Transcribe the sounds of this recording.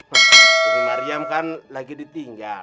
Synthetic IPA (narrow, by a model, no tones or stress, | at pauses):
laɾijamkanlakidit̪iŋɡa